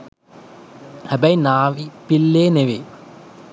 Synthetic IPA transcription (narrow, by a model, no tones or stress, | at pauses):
ɐbɐjnaːʋipilːeːneʋe